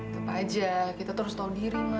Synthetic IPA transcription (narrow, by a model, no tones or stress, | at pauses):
t̪upad͡ʒakit̪at̪əɾʊst̪audiɾima